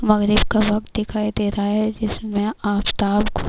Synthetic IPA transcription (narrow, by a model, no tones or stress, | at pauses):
mɐɣɾɪbkaʋɐk̚t̪̚d̪ɪkʰaːid̪eːɾaɦaɦɛd͡ʒɪsmẽaːpt̪aːbko